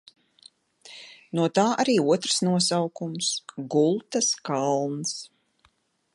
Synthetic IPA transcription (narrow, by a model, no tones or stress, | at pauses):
nuɔt̪aːʔaɾiːuɔt̪ɾsnuɔsawkumsɡulˠt̪askalˠns